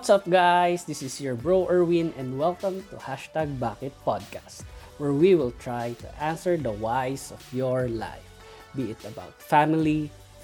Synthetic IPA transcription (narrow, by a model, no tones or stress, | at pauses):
t̪sap̚ɡajsd̪ɪsɪsjɔɹbɹowʔɛɹwɪ̃nɛ̃nd̪wɛlkə̃mt̪uhaʃt̪aɡ̚bakɛt̪̚pɔd̪̚kast̪wɛɹwiwɪlt̪ɹajt̪ʊ̰ʔãnsɛɹd̪ɐwajsɔvjɔɹla̰jf | biɪt̪ɐba̰ʊt̪famɪli